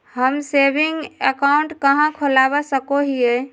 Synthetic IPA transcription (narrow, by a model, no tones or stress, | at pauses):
həmsebiŋɡəkauɳʈkəɦãkʰolabɛsəkoɦije